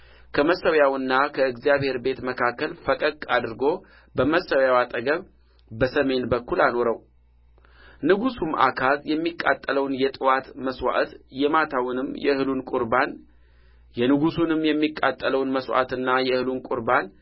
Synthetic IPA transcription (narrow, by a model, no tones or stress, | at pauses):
kʰəməsəwjawɨnːakʰəɨɡzijaβhe̞ɾbe̞t̪məkʰakːəlfəkʼəkʼad̪ɨɾɡo̞ | bəməsəwjawat̪ʼəɡəβ | bəsəme̞nbəkːulano̞ɾəw | nɨɡusumʔa̰kʰazjɛmːikʼːa̰t̪ʼːələwnjɛt̪ʼɨwat̪məswa̰ʔt̪jɛmat̪ʰawnɨmjɛ̰hɨlunkʼuɾban | jɛnɨɡusunɨmjɛmːikʼːat̪ʼːələwnməswa̰t̪ɨnːajɛhɨlunkʼuɾban